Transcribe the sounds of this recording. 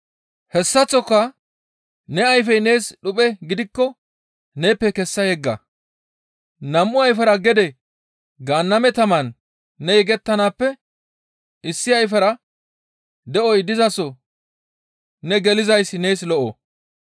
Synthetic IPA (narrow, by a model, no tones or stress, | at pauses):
hɛsːɐt͡sːɔkːɐ | nɛɐjf̬ɛjne̞ːsɗʊpʼɛɡɪd̪ɪkːɔ | ne̞ːpːɛkɛsːɐjɛɡːɐ̰ | nɐmːʊɐjfɛɾɐɡɛd̪ɛ | ɡaːnːɐmɛt̪ɐmɐnː | ɛjɛɡɛt̪ːɐnaːpːɛ | ʔɪsːɪɐjfɛɾɐ | d̪ɛʔɔjd̪ɪzɐsɔ | nɛɡɛlɪzɐjsːɪne̞ːslɔʔo̰